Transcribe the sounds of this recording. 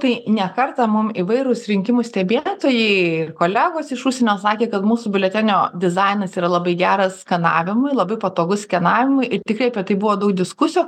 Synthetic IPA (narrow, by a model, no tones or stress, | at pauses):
t̪ɐɪnʲɛkɐrt̪ɑmʊmiʋɐɪɾʊsɾʲɪŋʲkʲɪmʊsʲt̪ʲɛbʲeːt̪oːjɛɪɪrkoːlʲæːɡoːsɪʃuːsʲeɛnʲoːsɑːkʲeːkɐt̪muːsʊbʲɪlʲɛt̪ʲɛnʲoːd̪ʲɪzɐɪnɐsiːɾɐlˠɐbɐɪɡʲæːɾɐskʲɐnɑ̰ːʋʲɪmʊɪlˠɐbɐɪpɐt̪oːɡʊskʲɛnɑːʋʲɪmʊɪʔɪɾt̪ʲɪkrɐɪɐpʲɛt̪ɐɪbʊʋoːd̪ɐʊk̚d̪ʲɪskʊsʲɪjuː